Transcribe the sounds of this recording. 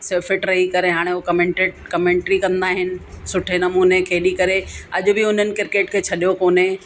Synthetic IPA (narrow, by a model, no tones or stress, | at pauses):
seːfɪʈɾɐɦikɐɾeɦaːɽ̃eɦukɐmẽːɳʈeʈ̚kɐmẽːɳʈɾikɐ̃nd̪aːɦɪnɪ̆sʊʈʰenɐmuːnekɐɦɪɗikɐɾeɐʄʊbɪʊn̤ənɪ̆kɪɾkeːʈkʰeːt͡ɕʰɐɗijokoːne